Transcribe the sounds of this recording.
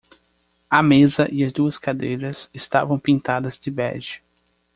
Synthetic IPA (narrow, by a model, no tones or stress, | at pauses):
ɐmezɐʔɪɐzd̪uɐskad̪ejɾɐzɪst̪a̰vɐ̃w̃pĩnt̪ad̪ɐzd͡ʒ̪ɪbɛ̰ʒɪ